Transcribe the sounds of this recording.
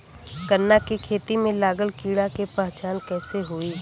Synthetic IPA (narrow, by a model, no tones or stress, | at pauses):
kənːakikʰeːt̪imẽlaːɡəlkiːɽakepaɦːt͡ʃaːnkɛːseɦuiː